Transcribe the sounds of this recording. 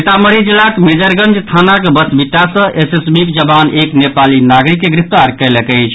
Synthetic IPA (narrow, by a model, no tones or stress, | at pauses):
et̪aməɾid͡ʒilːakmed͡ʒəɾɡənd͡ʒst̪ʰanakebəsbiʈːasə̃esesbikd͡ʒəbaneknepalinaɡɾikːeɡɾip̚t̪aɾkɛjlekət͡ʃʰ